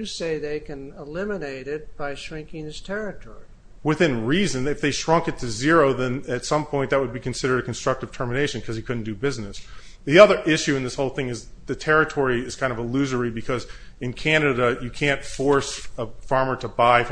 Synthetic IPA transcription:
ɨseɪðeɪkɨ̃nəlɪ̃mɨneɪɾɪt̚b̥aɪʃɹɪ̃ŋkɪ̃ŋðɪstʰɛɹɨtʰɔ̰ɹi | wɨθɪ̃nɹizɨ̃nɨfðeɪʃɹʌ̃ŋkɨtʰɨzɪɹoʊðɨ̃nɨtsʌ̃mpʰɔ̃ɪ̃nðɨt̚wəd̚bikɨ̃n̩sɪɾə˞ɾɨkn̩stɹ̥ʌk̚tɨv̥tʰɜ˞mɨneɪʃɨ̃n̩kʰʌz̥ikʰʊdⁿn̩d̥ɨbɪznɨs | ðiʌðə˞ʔɪʃʉɨ̃nðɪshoʊlˠθɪ̃ŋɨz | ðɨtʰɛɹɨtʰɔɹiɨz̥kʰãɪ̃ndʌvəlʉzə˞ibɨkʰʌzɨ̃nkʰænɨɾɨjɨkʰæ̃ntfɔɹsəfɑɹmə˞ɾəbaɪ

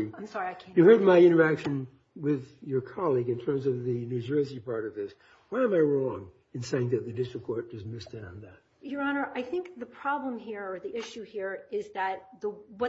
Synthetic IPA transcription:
ãɪ̃msɑɹiaɪkʰjɨhɜ˞d̚maɪɪ̃ɾ̃ə˞ækʃɨ̃n | wɪðjə˞kʰɑlˠiɡɨ̃ntʰɜ̃˞mzʌvðɨnʉd͡ʒɜ˞sipʰɑɹɾʌvðɪs | waɪə̃maɪɹɔ̃ŋ | ɨ̃nseɪɪ̃ŋðɨt̪̚ðɨdɪst͡ʃɹ̥ɨkʰɔɹt̚d̥ʌsmɪstɨ̃ñn̩ðæt̚jə˞ɑnə˞ʔaɪθɪ̃ŋk̚ðɨpʰɹ̥ɑblə̃mɦiɹə˞ðiʔɪʃʉhiɹɪzðɨt̪̚ðəwʌ

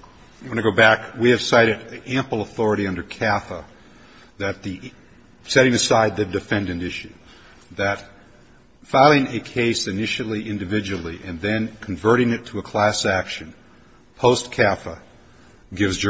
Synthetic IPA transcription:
wʌ̃ñɨɡoʊbækwiɨv̥saɪɾɨɾæ̃mpl̩ˠəθɔɹɨɾiʌ̃ndə˞kʰæfə | ðɨt̪̚ði | sɛɾɪ̃ŋɨsaɪd̪̚ðɨdɨfɛ̃ndɨ̃ntɪʃʉ | ðɨt | faɪlˠɪ̃ŋɨkʰeɪsɨnɪʃl̩ˠiʔɪ̃ndɨvɪd͡ʒɨl̩ˠiʔɨ̃nðɨ̃nkʰɨ̃ɱvɜ˞ɾɪ̃ŋɨtʰəːkʰl̥æsækʃɨ̃n | pʰoʊskʰæfə | ɡɪvzd͡ʒ

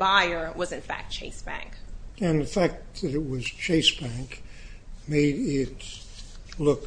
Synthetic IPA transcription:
baɪə˞wʌzɨ̃nfæ̰k̚t̚t͡ʃʰeɪsb̥æ̰̃ŋkɨ̃nðɨfæk̚t̚ðɨɾɨt̚wʌz̥t͡ʃʰeɪsb̥æ̃ŋk | meɪɾɪt | lʊk

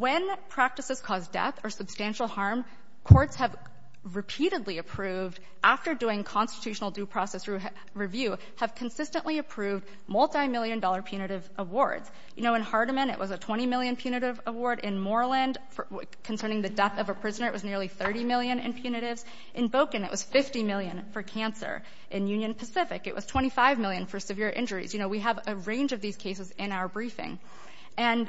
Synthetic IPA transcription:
wɨ̃npʰɹ̥æk̚tɨsɨz̥kʰɔzdɛ̰θə˞sɨb̥stæ̃nʃl̩ˠhɑɹm | kʰɔɹtshɨv | ɹɨpʰiɾɨdˡliɨpʰɹ̥ʉvd | ʔæftə˞dʉɪ̃ŋkʰɑ̃nstɨ̥tʰʉʃn̩l̩ˠdʉpʰɹ̥ɔsɛsɹ | ɹivjʉ | ɨv̥kʰɨ̃nsɪstɨ̃nʔliɨpʰɹ̥ʉvd | mɔlˠtaɪmɪlˠjɨ̃ndɔlˠə˞pʰj̥ʉñɨɾɨvʔəwɔɹdz̥ | jɨnoʊɨ̃nhɑɹɾəmɨ̃nɨ̰ʔwʔʌzɨtʰw̥ɛ̃ɾ̃imɪlˠjɨ̃npʰj̥ʉñɨɾɪvəwɔɹɾɪ̃nmɔɹlˠɨ̃nd | fə | kʰn̩sɜ̃˞ñɪ̃ŋðɨdɛθʌvəpʰɹ̥ɪznə˞ɨʔwʌznɪɹlˠiθɜ˞ɾimɪlˠjɨ̃nɨ̰̃npʰj̥ʉñɨɾɪvz̥ | ʔɨ̃nboʊkɨ̃nɨ̰ʔwʔʌz̥fɪftimɪlˠjɨ̃nfə˞kʰæ̃nsə̰˞ | ʔɨ̃njʉ̃njɨ̃npʰɨsɪfɨ̰kɨ̰ʔwʌ̰z̥tʰw̥ɛ̃ɾ̃ifaɪvmɪlˠjɨ̃nfə˞sɨvɪɹʔɪ̰̃nd͡ʒə˞ḭzjɨñoʊwiəvɨɹẽɪ̃nd͡ʒʌvðiz̥kʰeɪs̬ɨzɨ̃naʊə˞bɹifɪ̰̃ŋ | ʔɨ̃n

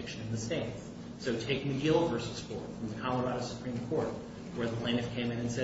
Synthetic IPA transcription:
ɪkʃɨ̃nɨ̃nðɨsẽɪ̃ns | soʊtʰeɪk̚mɨdiɛlˠvɜ˞sɨsfɔɹtfɹʌ̃mðɨkʰɑlˠə˞ɑɾɨsə̥pʰɹ̥ĩmkʰɔɹt̚ | wə˞ðəpʰl̥ẽɪ̃nɨfkʰẽɪ̃mɨ̃nɨ̃nsɛ

